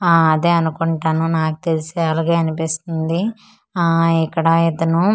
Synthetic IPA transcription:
ɐd̪eːɐnukuɳʈaːnunaːku̥t̪elisiaːlaɡaːɐnipist̪und̪i | ikːɐɽɐed̪ːɐnu

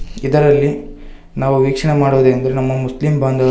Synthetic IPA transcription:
id̪ɐɾɐlːi | naːʋuʋiːkʂɐɳemaːɽoːd̪eːɐnd̪ɐɾe̞nɐmːɐmuslimbaːnd̪ʱɐʋɐ

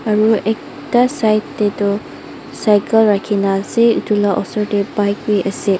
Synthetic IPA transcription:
ɐɾuek̚ | tasajtdedɔ | sajkʰɐlɾakʰinaseutulaʔɔsɔɾdebajkwiʔɐse

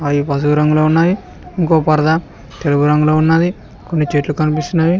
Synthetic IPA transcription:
aːjipɐs̬uɡuɾɐŋɡuloːunːaːji | iŋkoːpɐɾɐd̪a | t̪eluɡuɾɐŋɡuloːunːaːd̪i | konːit͡ʃeːʈlukɐnipist̪unːaːji

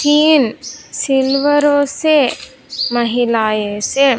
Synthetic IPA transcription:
tiːnsilʋəɾoːse | mɐɦilaːjeːse

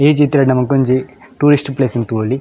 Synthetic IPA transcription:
eːd͡ʒit̪ɾɐnɐmɐkoɲd͡ʒi | ʈuːɾisʈplesint̪uoli

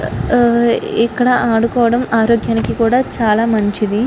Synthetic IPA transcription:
ɛkːɐɽɐʔaːɽukɔːʋɐɽɐmaːɾoːɡjaːnikikuːɽaːt͡ʃaːlaːmɐɲt͡ʃid̪i

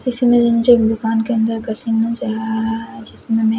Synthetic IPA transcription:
ɪsmẽd͡ʒɐmʊd͡ʒeːkd̪ʊkaːnkeɐ̃nd̪əɾkɐsiːmnãt͡ʃɐlɾaɦaɾɐɦaɦɛd͡ʒɪsmẽmɛ̃

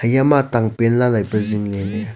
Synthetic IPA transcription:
jamat̪aŋpenlalajpəzinlene

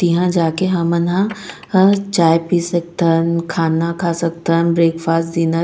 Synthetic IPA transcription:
t̪iɦãd͡ʑaːkeɦɐmənã | t͡ɕaːjpisək̚t̪ʰənkʰaːnakʰasɐɡ̚t̪ʰənbɾeːkfaːsd̪iːnə

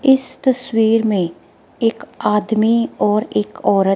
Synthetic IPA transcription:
ɪst̪ɐswiːɾmẽ | eːkaːd̪miɔːɾeːkɔːɾə

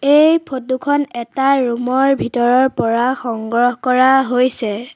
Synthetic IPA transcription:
ejpʰotukʰɔnɛtaɹumɔɹbʱitɔɹɔɹpɔɹaxɔŋɡɹɔhɔkɔɹaɦojsɛ

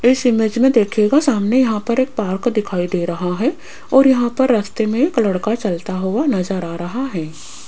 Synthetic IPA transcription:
ɪsɪmed͡ʒmẽd̪eːkʰeɡasaːmnejɐɦãpɐɾeːk̚paːɾkd̪ɪkʰaːid̪eːɾɐɦaɦɛ | ɔːɾjɐɦãpɐɾːaːst̪emẽːklɐɽkat͡ʃɐlt̪aɦʊanɐzəɾaːɾɐɦaɦɛː

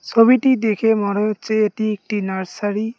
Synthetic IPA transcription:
sobiʈid̪ekʰemɔɽot͡ʃeːʈiek̚ʈinaɾsaɽi

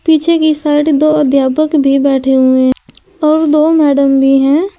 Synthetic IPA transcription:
piːt͡ʃʰekisaːɪʈd̪oːəd̪ʱjaːpəkbʱibɛːʈʰeɦʊe | ɔːɾd̪oːmɛːɖəmbʱiɦɛ̃ː

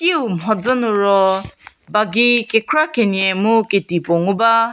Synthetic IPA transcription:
kiumɦɔd͡zɔnʊɾɔ | baɡikekʰɾakeniɛmʊketipoŋuba

